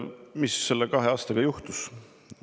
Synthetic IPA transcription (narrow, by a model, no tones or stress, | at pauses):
misːe̞lːekɑɦe̞ɑːst̪ɑɡ̥ɑjuht̪us